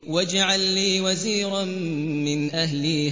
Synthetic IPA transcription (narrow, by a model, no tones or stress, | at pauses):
wad͡ʒaʕalːiːwaziːɾan | mɪnʔahliːh